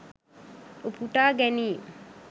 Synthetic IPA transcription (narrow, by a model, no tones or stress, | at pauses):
upuʈaːɡɛniː